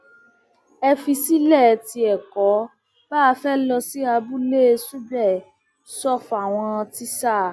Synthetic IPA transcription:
ɛ˧fi˧si˦lɛ˦˨ti˧ɛ˨kɔ˨˦ | b̥a˦a˧fɛ˦lɔ˧si˦a˧bu˦le˦˧˦su˦bɛ˦˨ | sɔ˦˨fa˨w̃ɔ̃˧ti˦sa˦˨

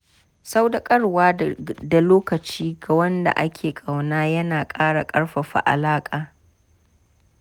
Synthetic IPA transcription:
sa˦wda˨kʼɐ˦ɽwaː˦da˨loː˦kɐ˨t͡ʃiː˦ɡa˨wɐ˦nda̰˨ʔa˦kʲʰeː˨kʼa˨wnaː˦jɐ˦naː˨kʼaː˦ɽa˨kʼɐ˦ɽɸa˨ɸa̰˨ʔa̰˨laː˦kʼaː˨

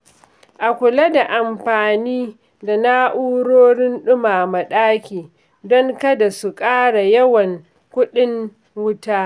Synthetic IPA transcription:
ʔa˨kʷʊ˨la˦da˨ʔa˨mɸaː˨niː˦ | da˨na˦ʔuː˦ɽoː˦ɽɪ˦nɗʊ˦maː˨mɐ˨ɗaː˦kʲiː˨ | dɔ˦ŋkɐ˦da˨su˨kʼaː˦ɽa˨jɐ˦wɐ˨ŋ | kʷʊ˦ɗɪ˦ŋ | wʊ˦taː˦

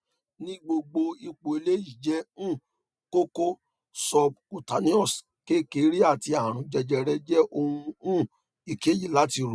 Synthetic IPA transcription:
nĩ˦ɡ͡bo˧ɡ͡bo˧i˧k͡po˧˨e˧le˦ji˦˨d͡ʒɛ˧˦ũ˦˨ | ko˦ko˦ | sɔ˧b̚ku˨ta˨˧nĩ˦ɔ˦˨s | ke˦˨ke˨˦ɾi˦a˦˨ti˧a˨ɾ̃ũ˨˧˦d͡ʒɛ˧d͡ʒɛ˧ɾɛ˧d͡ʒɛ˦ʔo˧hũ˧ũ˦˨ | i˨ke˨˦ji˦˨la˦ti˧˨ɾu˨

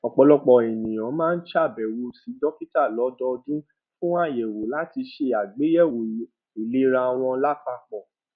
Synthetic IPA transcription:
ɔ˨k͡pɔ˨˧lɔ˧k͡pɔ˧˨e˨nĩ˨j̃ã˨˦mãː˦˧n̩˦ʃa˦˨bɛ˨wo˧si˨˦dɔ˦ki˦ta˦˨lɔ˨˦dɔ˧dũ˦ | fũ˦a˦˨je˨wo˨˦la˨˦ti˧ʃe˧a˨ɡ͡be˨˦jɛ˦˨wo˨˦ | i˨le˨˦ɾa˧w̃ɔ̃˧la˦k͡pa˧k͡pɔ˨

